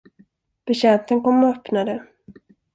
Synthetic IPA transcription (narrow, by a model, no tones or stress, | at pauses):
b̥ɛɕɛnt̪ənkɔmːɔœpnad̪ə